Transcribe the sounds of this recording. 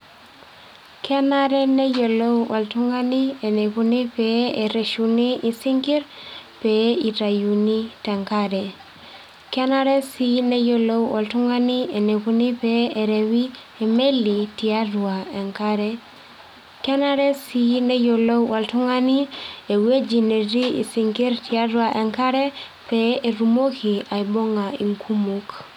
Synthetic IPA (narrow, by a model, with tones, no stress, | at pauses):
ka˦na˦ɾe˦ne˦jo˨lo˦wwa˨ltu˦ŋa˦ni˦e˨ne˨pu˦ni˦pee˨ɾe˨ʃu˨ni˦isi˦ŋɡi˦ɾpei˨ta˨ju˨ni˦te˨ŋka˦ɾe˨ | ka˦na˦ɾe˦sine˦jo˨lo˦wwa˨ltu˦ŋa˦ni˦e˨ne˨ku˦ni˦pee˨ɾe˨wi˦ | eme˦lːitia˦du˨ae˨ŋkaɾe | ke˦naɾe˦sine˦jolo˦wwa˨ltu˦ŋa˦nie˨we˦d͡ʒi˨ne˨ɾi˦ḭ˨siŋki˦ɾtia˦ɾu˦aʔe˨ŋka˦ɾe˦ | pee˨ɾumo˦kia˨jbo˦ŋa˨ḭ˨ŋkʰumuk